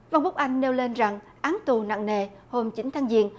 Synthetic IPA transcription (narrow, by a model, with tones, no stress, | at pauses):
va˧nfʊ˦˥k͡p̚ʔa˧jŋ̟ne˧wle˧nza˨˩ŋ | ʔaː˨˦nt̪u˨˩na̰˧˨ŋne˧˩ho˧mt͡ɕï˨˦nt̪ʰaː˨˦ŋzḭ˧˨ən